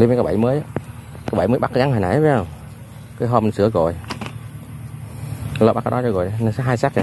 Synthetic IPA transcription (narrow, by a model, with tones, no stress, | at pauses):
li˧˦vkːɓa̰˧˩jməː˨˦ja˧˦ | kaː˨˦ɓa˧˩jməː˨˦jɓa˦˥kaː˨˦ɣa˨˦ha˨˩na̰˨˩ja˨˦ə˨wŋ͡m | kəː˨˦jɦɔ˧m˨sɨ˧˦əɣo̰˧˨j | ləː˧˩ɓa˦˥kːjɗɔ˨˦t͡ɕɔ˧˩ɣo̰˨jn˧sɦaː˧jsaː˦˥k̚i˨˩˨